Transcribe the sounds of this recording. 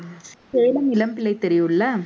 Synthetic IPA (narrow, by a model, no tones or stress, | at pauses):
seːlɐmɪlɐmpɪlɐɪt̪ːɛɾɪjɯlːɐ